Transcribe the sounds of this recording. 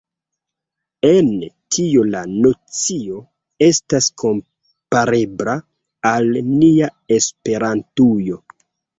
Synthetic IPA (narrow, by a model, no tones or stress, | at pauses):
e̞ntʰiolano̞t͡sio̞ | e̞staskʰo̞m | paɾe̞bɾa | alniaespe̞ɾantujo̞